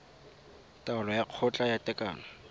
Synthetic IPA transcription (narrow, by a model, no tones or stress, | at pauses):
tʼaʊlɔjaq͡χʰɔt͡ɬʼajatʼɛkʼa̰ːnɔ